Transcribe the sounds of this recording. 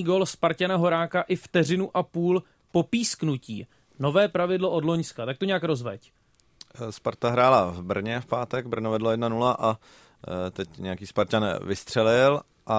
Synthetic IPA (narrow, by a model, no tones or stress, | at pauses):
iːɡolspaɾcanaɦo̞ɾaːkaʔɪft̪ɛr̝ɪnuʔapuːl | po̞piːsknucḭː | no̞vɛːpɾavɪdlo̞ʔo̞dlo̞ɲskat̪ak̚t̪oɲɛakɾo̞zvɛ̰c | spaɾt̪aɦɾaːlavbr̩ɲɛfpaːt̪ɛɡbr̩novɛdlojɛdnanulaʔa | t̪ɛcɲɛjakiːspaɾcanvɪst̪r̝̥ɛlɪl | ʔa